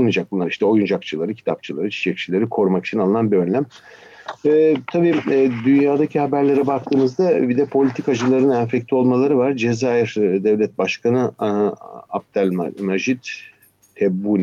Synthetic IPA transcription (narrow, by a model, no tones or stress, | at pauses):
nad͡ʒak̚bunːˠaɾiʃt̪ʰɛo̞jund͡ʒakt͡ʃʰɯlˠaɾɯcʰi̥t̪ʰap̚t͡ʃʰɯlˠaɾɯt͡ʃʰi̥t͡ʃʰɛc̚t͡ʃʰilʲeɾikʰo̞ɾumakit͡ʃʰinalˠɯnanbiø̞nlʲæm | ɛːt̪ʰabiːd̪ynjaːd̪acʰihabæɾlʲe̞ɾɛbak̚t̪ʰɯːmɯzd̪abid̪ɛpʰo̞lʲit̪ʰikad͡ʒɯlˠaɾɯnænfɛclʲio̞lˠmalˠaɾɯvaɾd͡ʒezaːiɾd̪ɛvlʲɛt̪̚baʃkʰanɯ | ap̚t̪ʰælʲmaʒit̪ | t̪ʰɛbːuːnʲ